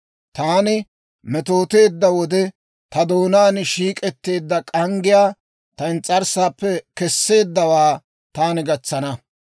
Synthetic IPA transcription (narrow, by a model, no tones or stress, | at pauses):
t̪aːnɪ | mɛt̪o̞ːt̪e̞ːd̪ːɐwɔd̪ɛ | t̪ɐd̪o̞ːnaːnʃiːkʼɛt̪ːe̞ːd̪ːɐkʼɐŋɡɪjaː | t̪ɐɪnt͡sʼːɐɾsaːpːɛkɛsːe̞ːd̪ːɐwaː | t̪aːnɪɡɐt͡sːɐnɐ